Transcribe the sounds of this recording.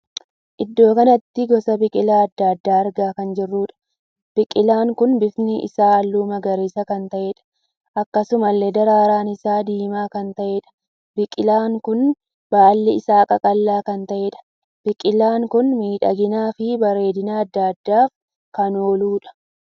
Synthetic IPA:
ʔɪd̪ːo̞ːkɐnɐt̪ːɪɡɔsɐbɪkʼɪlaːɐd̪ːaːd̪ːaːɾɡaːkɐnd͡ʒɪrːuːᶑɐ̥ | b̥ɪkʼɪlaːŋkʊnbɪfnɪʔɪ̰saːɐlːuːmɐɡɐɾeːsɐkɐnt̪ɐʔeːᶑɐ̥ | ʔɐkːɐsʊmɐlːed̪ɐɾaːɾaːnɪsaːd̪iːmaːkɐnt̪ɐʔeːᶑɐ̥ | b̥ɪkʼɪlaːŋkʊn | baːlːɪɪsaːkʼɐkʼɐlːaːkɐnt̪ɐʔeːᶑɐ̥ | b̥ɪkʼɪlaːŋkʊnmiːᶑɐ̰ɡɪnaːfɪbɐɾe̞ːd̪ɪnaːɐd̪ːaːd̪ːaːf | kɐnoːluːᶑɐ̥

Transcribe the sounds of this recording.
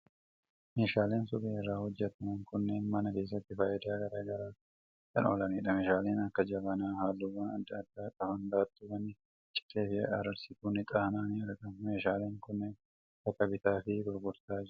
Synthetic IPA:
me̞ːʃaːleːnsʊbeːɪrːaːhɔd͡ʒːɛt̪ɐnɐŋkʊnːenmɐnɐke̞ːs̬ːɐt̪ːɪfaːjɛd̪aːɡɐɾaːɡɐɾaː | kɐnoːlɐneːᶑɐme̞ːʃaːleːnɐkːɐd͡ʒɐbɐnaːhaːlːʊwːaːnɐd̪ːɐːd̪̥ːaːkʼɐfɐnd̪aːt̪ːʊbɐnːɪ | t͡ʃʼɪ̥t̪eːfɪɐ̰ɾɐɾsɪt̪uːnɪt̪ʼahnaːnɾɐkɐme̞ːʃaːle̞ːŋkʊnːɛn | kɐt̪ɐbɪt̪aːfɪɡɔɾɡʊɾt̪aːd͡ʒɾ

